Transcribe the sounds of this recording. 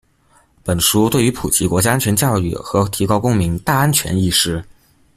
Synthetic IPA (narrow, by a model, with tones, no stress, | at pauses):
pə˨˩nʂu˧˥t̪we˥˩ɪy˧˥pʰu˨˩t͡ɕʰi˧˥kwɔ˧˥t͡ɕja˥a˥nt͡ɕʰɥɛ˧˥nt͡ɕjɑ˥˧ʊy̰˥˩xɤ˧˥t̪ʰi˧˥kɑ˥ʊkʊ˥ŋmi˧˥ŋt̪a˥˩a˥nt͡ɕʰɥɛ̰˧˥ni˥˩ʂɻ̩˥